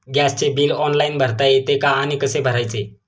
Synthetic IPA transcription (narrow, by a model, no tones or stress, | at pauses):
ɡjast͡ɕebiːlɔnlainbʱəɾt̪ajet̪ekaːñikəsebʱəɾajt͡se